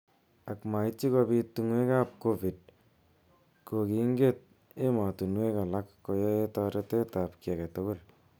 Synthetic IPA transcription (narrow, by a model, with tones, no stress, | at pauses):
a˨kma˨i˦t͡ʃi˦kɔ˧bi˧tu˧ŋwe˦ka˦p̚ko˦vi˨d̚ | ko˨ki˨˦ŋɡe˦t̚ | e˦ma˨tu˨nwe˦ka˨la˦kːo˨jɔ˦e˦tɔ˧ɾe˦te˦ta˨pkjɛ˨ka˨to˦ko˦l